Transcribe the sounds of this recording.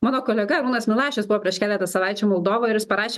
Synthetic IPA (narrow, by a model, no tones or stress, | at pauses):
mɑːnoːkoːlʲɛɡɐɾuːnɐsmʲɪlˠɑːʃʲosbʊʋɔpʲiɛʃkʲæːlʲæt̪ɐsɐʋɑɪt͡ʃʲuːmɔlˠd̪oːʋoːɪɾjɪspɐɾɑːʃʲe